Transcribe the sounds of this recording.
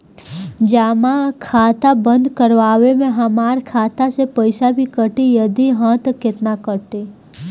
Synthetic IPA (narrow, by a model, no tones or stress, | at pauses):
d͡ʒaːmãkʰaːt̪abə̃nd̪kəɾʋaːʋemẽɦɐmaːɾkʰaːt̪asepəɪsabʱikəʈijɐd̪iɦãːt̪kɪt̪nakəɾt̪eː